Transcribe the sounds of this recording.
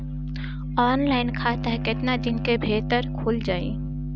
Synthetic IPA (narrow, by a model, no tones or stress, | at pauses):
ɔːnlaːɪnkʰaːt̪əɦkɪt̪nad̪ɪnkebʱeːt̪əɾkʰoːld͡ʒaːḭː